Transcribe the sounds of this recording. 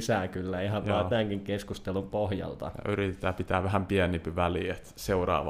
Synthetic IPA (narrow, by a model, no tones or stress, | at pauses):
sæːkylːæihɑʋʋɑːt̪æːŋkiŋkeskust̪elumpohjɑ̰lt̪ɑ̰jɑ̰yɾit̪et̪ːæːpit̪æːʋæɦæmpiænimpiʋæliet̪seurɑ̰ːʋɑ̰